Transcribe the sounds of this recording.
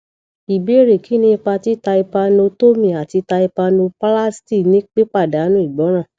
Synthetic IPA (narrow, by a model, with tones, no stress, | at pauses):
i˨be˨˦ɾi˨ki˨˦nĩ˦i˧k͡pa˧ti˦ta˧i˧pa˧no˧to˦mĩ˨a˨ti˧ta˧i˧pa˧no˧pa˦la˦sti˦˨nĩ˦k͡pe˦k͡pa˦˨da˨˦nũ˦i˦˨ɡ͡bɔ˨˦ɾ̃ã˦˨